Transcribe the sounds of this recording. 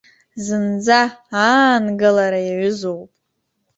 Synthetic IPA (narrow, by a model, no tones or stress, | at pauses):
zɨnd͡zaanɡalaɾajaʕʊzowpʼ